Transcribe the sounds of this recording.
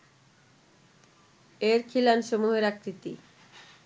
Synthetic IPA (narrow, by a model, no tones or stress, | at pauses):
eɾkʰilanʃomuɦeɾakɾit̪ḭ